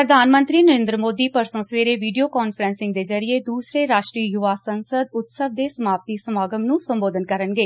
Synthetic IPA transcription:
pɾəd̪ʱaːnmə̃nt̪ɾiːnəɾɪ̃nd̪ɾəmoːd̪iːpəɾsõːsʋeːɾeːʋiːɖijoːkɔːnpʰɾɛ̃ːnsɪŋɡd̪eːzəɾieːd̪uːsɾeːɾaːʃʈɾiːjʊʋaːsənsəd̪ʊt̪səʋ̚d̪eːsəmaːpt̪iːsəmaːɡəmnũːsə̃mboːd̪ənkəɾənɡeː

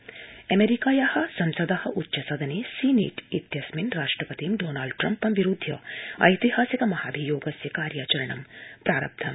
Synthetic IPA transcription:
ɐmeɾikaːjɐhɐ̆sɐmsɐd̪ɐhɐ̆ʔutːʃɐsɐd̪ʱɐneːsiːnḛːʈit̪jɐsminɾaːʂʈɾɐpɐt̪imɖoːnaːlɖʈɾɐmpɐmʋiɾud̪ʱːjɐ̰ɐ̰jt̪ihaːsikɐmɐhaːbʱijoːɡɐsjɐkaːɾjaːt͡ʃɐɾɐɳɐmpɾaːɾɐ̰b̚t̪ʰɐm

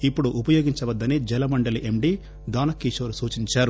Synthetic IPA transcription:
ipːuɽuʔupɐjoːɡiɲt͡ʃɐʋɐd̪ːɐnid͡ʒɛlɐmɐɳɖɐliʔemɖi | d̪aːnɐkːiʃoːɾusuːt͡ʃiɲt͡ʃaːɾu

